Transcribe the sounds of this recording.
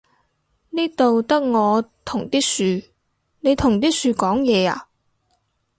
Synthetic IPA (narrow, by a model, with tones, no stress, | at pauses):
niː˥t̪o˨wt̪ɐ˥k̚ŋɔː˨˧t̪ʰʊ˨˩ŋt̪iː˥syː˧ | ne˨˧jt̪ʰʊ˨˩ŋt̪iː˥syː˧kɔː˨˥ŋjɛː˨˧a̰ː˨